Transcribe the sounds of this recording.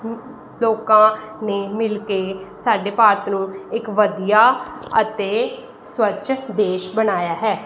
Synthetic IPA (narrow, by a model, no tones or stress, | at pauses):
loːkãːneːmɪlkeːsaːɖeːpaːɾt̪nũːɪkʋəd̪ijaːə̰t̪eː | swətːʃʰd̪eːʃbənaːjaːɦɛː